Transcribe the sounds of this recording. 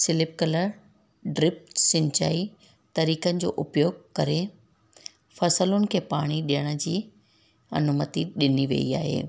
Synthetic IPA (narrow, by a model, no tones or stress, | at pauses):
sɪlɪp̚kɐləɾ | ɖɾɪp̚ʈsɪ̃ɲt͡ɕa̰ːi | t̪ɐɾiːkənɪ̆d͡ʑo̰ːʔʊpjoːɡ̚kɐɾe | fɐsəlʊnɪ̆kʰeːpaːɽ̃iɗijəɽ̃ə̆d͡ʑiː | ɐ̰nʊmət̪iɗɪniʋḛḭaːɦḛː